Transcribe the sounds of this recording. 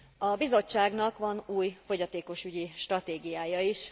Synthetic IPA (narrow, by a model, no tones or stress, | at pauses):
ɒbizo̞t͡ʃːaːɡnɒkʋɒnuːjfo̞ɟɒt̪eːko̞ʃyɟiʃt̪rɒt̪eːɡijaːjɒiʃ